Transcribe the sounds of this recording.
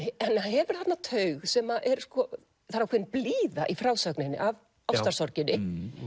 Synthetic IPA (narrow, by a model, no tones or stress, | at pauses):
ɛnaɦɛvʏɾ̥θat̪nːat̪ʰœɥɣsɛmaʔɛɾ̥skɔ | θaɾakʰɛnpliːðaʔifɾawsœknɪnːɪ̰ʔav | awsḁsɔɾcɪnːɪ